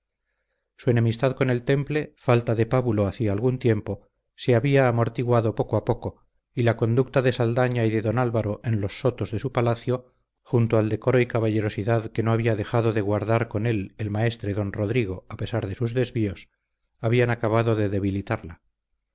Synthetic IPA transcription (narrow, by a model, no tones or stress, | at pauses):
sue̞ne̞mist̪aðko̞ne̞lt̪e̞mple̞falt̪aðe̞paβulo̞aθiaːlɣunt̪je̞mpo̞ | se̞aβiaːmo̞ɾt̪iɣwaðo̞po̞koapo̞ko̞ | ilako̞nd̪uk̚t̪aðe̞sald̪aɲaiðe̞ðo̞nalβaɾo̞ʔe̞nlo̞sːo̞t̪o̞zðe̞supalaθjo̞ | xunt̪oald̪e̞ko̞ɾo̞ikaβaʝe̞ɾo̞siðaðke̞noaβiaðe̞xaðoðe̞ɣwaɾðaɾko̞ne̞le̞lmae̞st̪ɾe̞ðo̞nro̞ðɾiɣ̞o̞ape̞saɾðe̞suzðe̞zβio̞s | aβianakaβ̞aðo̞ðe̞ðe̞βilit̪aɾla